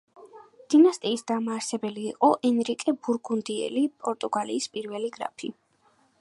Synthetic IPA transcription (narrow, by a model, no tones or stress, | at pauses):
d̪̥inast̪ʼiːsd̪̥amaːɾsɛbɛliːqʼɔʔɛnɾikʼɛbuɾɡund̪iɛ̰lipʼɔɾt̪ʼuɡalḭːspʼiɾvɛliɡɾa̰pʰi